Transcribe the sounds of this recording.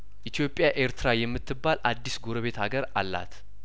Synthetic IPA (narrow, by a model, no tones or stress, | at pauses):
ʔit̪jo̞pʼːjaʔe̞ɾt̪ʰɨɾajɛmːɨt̪ʰːɨbːalʔad̪ːisɡoɾəβe̞t̪haɡəɾalːa̰t̪